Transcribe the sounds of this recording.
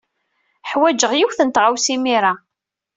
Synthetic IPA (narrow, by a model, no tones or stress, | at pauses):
ħwæd͡ʒəʁjiwθənt̪ʁawsimiɾa